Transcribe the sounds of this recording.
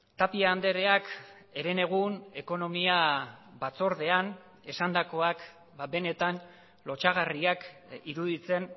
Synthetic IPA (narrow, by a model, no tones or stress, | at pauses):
t̪apiaːnd̪e̞ɾe̞ak | e̞ɾe̞ne̞ɣ̞une̞ko̞no̞miaβat͡so̞ɾð̞e̞an | e̞sand̪ako̞ak | bae̞ne̞t̪an | lo̞t͡ʃaɣariakiɾuð̞it͡se̞n